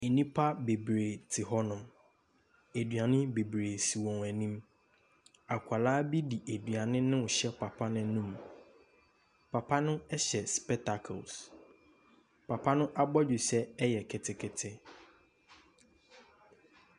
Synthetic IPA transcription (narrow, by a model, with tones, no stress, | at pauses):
e˨nĩ˦pʰa˦be˨bɾeː˨tʰɪ˨ɦɔ˦nʊ̃˨m | æ˨dɥa˨nɪ̃˦be˨bɾeː˨si˨wɔ̃˨ŋæ˨nĩ˦m | a˨kʷʰa˨laː˦bi˦di˨ʔæ˨dɥa˨nɪ̃˦nɪ̃˦wʊ˨ɕɛ˦pʰa˨pʰa˦nʊ̃˦nũ˦m | pʰa˨pʰa˦nʊ̃˦ɛ˦ɕɛ˨spɛ˦tʰa˨kʰɔ̰˨ls | pʰa˨pʰa˦nʊ̃˦ʔa˦bɔ˦d͡ʑu˨sɛ˦ɛ˦jɛ˨kʰɪ˨tʰɪ˨kʰɪ˨tʰɪ˦